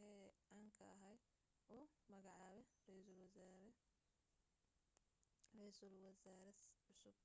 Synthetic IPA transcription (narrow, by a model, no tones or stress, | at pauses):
ɛʕaːŋkʰɐɐɦɐj | ɔːmɐɣɑʕɑːβɛrl | rɛjslwɐzaːɾɐʕʊsʊb̚